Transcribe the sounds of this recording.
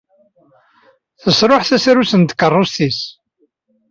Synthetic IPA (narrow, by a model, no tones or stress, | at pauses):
θəsɾoħθæsɾusənt̪kːərˤːʊst̪is